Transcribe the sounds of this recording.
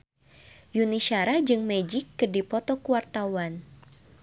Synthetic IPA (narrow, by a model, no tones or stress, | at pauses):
junisaɾahd͡ʒɨŋmɛd͡ʒɪkːɨrdipɔt̪ɔkuwart̪awan